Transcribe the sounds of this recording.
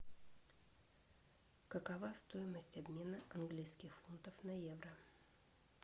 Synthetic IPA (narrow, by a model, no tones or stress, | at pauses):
kəkɐvast̪o̞ɪməsʲtʲɐbmʲe̞nəʔɐnɡlʲijskʲɪxfunt̪əfnɐjevɾə